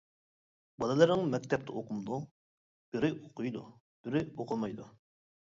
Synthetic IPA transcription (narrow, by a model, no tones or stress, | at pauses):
bɑlˠɨlˠəɾnəŋmɛkʲt̪ʰɛp̚t̪ʰəoqʰumd̪ˠu | b̥yɾɪʔoqʰʊjd̪u | b̥yɾɪoqʰʊlˠmɑjd̪u